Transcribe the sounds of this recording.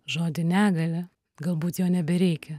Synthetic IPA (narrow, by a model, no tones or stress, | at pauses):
ʒoːd̪ʲɪnʲæːɡɐlʲɛ | ɡɐlˠbuːt̪joːnʲɛbʲɛɾʲɛɪkʲɛ